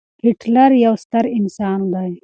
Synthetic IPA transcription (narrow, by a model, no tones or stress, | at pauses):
kiʈʰlɐɾjɐwst̪ɐɾinsaːnd̪aj